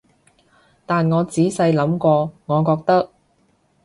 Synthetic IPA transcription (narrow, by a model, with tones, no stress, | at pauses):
t̪aː˨nŋɔː˨˧t͡siː˨˥sɐ˧jlɐ˨˥mkɔː˧ŋɔː˨˧kɔː˧k̚t̪ɐ˥k̚